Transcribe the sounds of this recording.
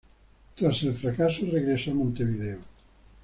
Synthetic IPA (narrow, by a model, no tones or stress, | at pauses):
t̪ɾaselfɾakasoreɣɾesoamõnt̪eβiðeo